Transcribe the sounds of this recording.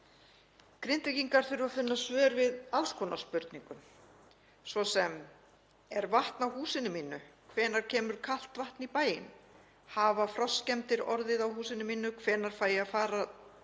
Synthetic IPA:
kɾɪnt̪ɪciŋkaɾ̥θʏɾvafʏnːasvœːɾvɪðalskʰɔnaspʏɾt̪niŋkʏm | svɔsɛm | ɛɾvaht̪nawhuːsɪnʏminːʏkʰvɛːnaɾ̥cʰɛːmʏɾ̥kʰal̥t̪vaht̪nipaːjɪ̰n | havafɾɔscɛmt̪ɪɾɔɾðɪðawhuːsɪnʏminːʏkʰvɛːnaɾ̥faːjɪaðfaːɾa

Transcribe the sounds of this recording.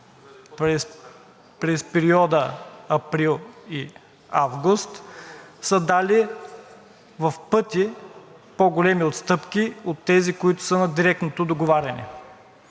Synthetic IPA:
pɾ | pɾɛspɛɾiɔd̪əɐpɾilˠi | a̰vɡʊst̪səd̪ali | vɐfpɤt̪ʲi | poɡolɛmiot̪st̪ɤpkʲiot̪ːɛzikoit̪ʊ̥sənɐd̪iɾɛk̚t̪not̪od̪oɡovaɾʲɐnɛ̰

